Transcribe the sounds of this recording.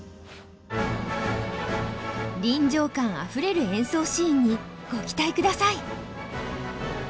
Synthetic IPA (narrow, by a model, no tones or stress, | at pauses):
ɾʲĩɲd͡ʑo̞ːkãɰ̃a̰ɸɯ̟ɾe̞ɾɯ̟ẽ̞ɰ̃so̞ːɕĩːɲ̟ːi | ɡ̥okʲi̥t̪aikɯ̟d̪asai